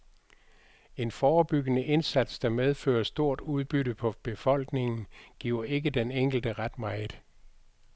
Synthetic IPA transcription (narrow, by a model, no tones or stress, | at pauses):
e̝nfɒːb̥yɡ̥ənəʔe̝nsæd̥sd̥ɑ̈með̞ˠfø̰ːɐsd̥o̝ɐ̰d̥uð̞ˠb̥yɾəpʰɒ̽b̥e̝fɒ̽l̰ɡ̥ne̝ŋn̩ɡ̥iʊɐe̝ɡ̥əd̥eneŋ̰ɡ̥l̩d̥əʁad̥mɑ̈ɪð̩ˠ